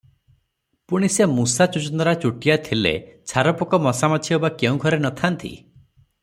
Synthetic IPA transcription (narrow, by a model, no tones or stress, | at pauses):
puɽ̃isemusat͡ʃut͡ʃɔnɔɾat͡ʃuʈijat̪ʰilḛt͡ʃʰaɾɔpɔkɔmɔsamɔt͡ʃʰiɦobakeũɡʱɔɾenɔt̪ʰant̪ʰḭ